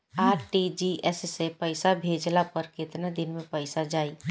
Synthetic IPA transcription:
aːɾʈid͡ʒiʔɛssepəɪsabʱeːd͡ʒlapəɾkɪt̪ned̪ɪnmẽpəɪsad͡ʒaːi

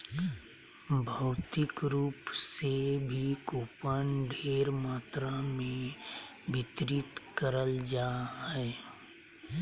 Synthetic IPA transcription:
bʱəʊt̪ɪkɾuːpsebʱikoːpənɖʱeːɾmaːt̪ɾamẽ | bɪt̪ɾɪt̪kəɾəld͡ʒaːɦɛ

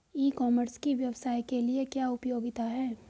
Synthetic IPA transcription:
iːkɔːməɾskiʋjɐʋsaːikeliekjaːʊpjoːɡɪt̪aɦɛː

